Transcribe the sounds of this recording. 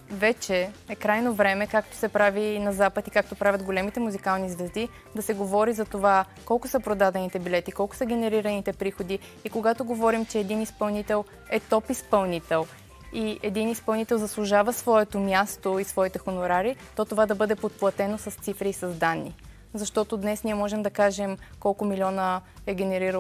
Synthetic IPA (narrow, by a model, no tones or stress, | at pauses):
vɛt͡ʃɛɛkɾajnovɾɛmɛkakt̪o̥sɛpɾavinɐzapət̪ikak̚t̪opɾavʲjɐt̪ɡolɛmit̪ɛmuzikalˠnizvɛzd̪i | d̪ɐsɛɡovɔɾizɐt̪ova | kɔlˠkʊsəpɾod̪ad̪ɛnit̪ɛbilɛt̪ikɔlˠkʊ̥səɡ̟ɛnɛɾiɾɐnit̪ɛpɾixod̪iː | koɡat̪oɡovɔɾimt͡ʃɛːd̪inispɐlˠnit̪ɛlˠ | ɛt̪ɔpispɐlˠnit̪ɛlˠ | iɛd̪inispɐlˠnit̪ɛlˠzɐslˠʊʒavəsvɔɛt̪omʲjast̪oisvɔit̪ɛxonoɾaɾit̪ɔt̪ovad̪ɐbɤd̪ɛpot̪̚plˠɐt̪ɛnosɐst̪sifɾiːsɐzd̪anːḭ | zɐʃt̪ɔt̪od̪nɛsniɛmɔʒɛmd̪ɐkaʒɛmkɔlˠkʊmilʲɔnəɛɡʲɛnɛɾiɾə